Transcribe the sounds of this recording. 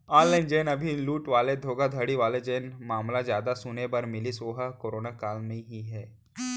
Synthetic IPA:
aːnlaːɪnd͡ʒeːnɐbʱiluːʈʋaːled̪ʱoːɡad̪ʱəɽiʋaːled͡ʒeːnmaːmlazjaːd̪asʊnebɐɾmɪlisoːɦakoːɾoːnakaːlnɐɦĩɦiɦɛː

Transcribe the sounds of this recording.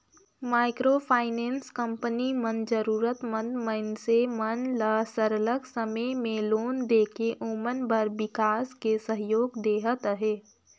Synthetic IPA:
maːɪkɾoːpʰaːɪnẽːnskə̃mpənimə̃nd̪d͡ʒəɾuːɾət̪mə̃nd̪mənsemənləsəɾələɡsəməmẽloːnd̪eːkeʔoːmənbəɾbɪkaːskesəɦjoːɡd̪eːɦət̪ɦeː

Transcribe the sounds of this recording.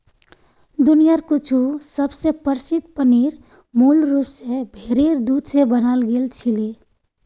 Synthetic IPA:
d̪unijaɾkut͡ʃʰusəbsepəɾsid̪̚pəniɾ | mulɾupsẽbʱeɾeɾd̪ud̪sẽbənalɡelt͡ʃʰili

